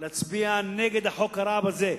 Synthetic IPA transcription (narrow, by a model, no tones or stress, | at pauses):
lat͡sbianːeːɡɪd̪aħokaɾˤaːbazeː